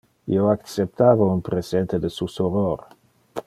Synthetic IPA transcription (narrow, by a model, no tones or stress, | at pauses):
ḭoakt͡sep̚t̪aːvounpɾezent̪ed̪esusoroɾ